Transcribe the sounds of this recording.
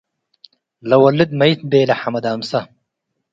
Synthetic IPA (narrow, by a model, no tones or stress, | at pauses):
lɐwɐlːid̪̚mɐjt̪beːlɐħamɐd̪aːmsɐ